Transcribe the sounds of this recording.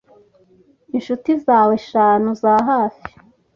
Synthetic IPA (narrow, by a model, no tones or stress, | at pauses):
inʃutizaːweʃaːnuzaːɦaːfi̥